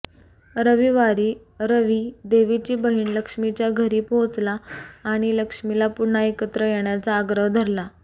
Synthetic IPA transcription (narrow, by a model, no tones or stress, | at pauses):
ɾəʋiːʋaɾiː | ɾəʋiːd̪eʋit͡ɕiːbəɦiːnləkʂmit͡ɕjaɡʱəɾiːpot͡slaːɽ̃iləkʂmilapuɽɳaekət̪ɾəjeɳjat͡saːɡɾəɦd̪ʱəɾla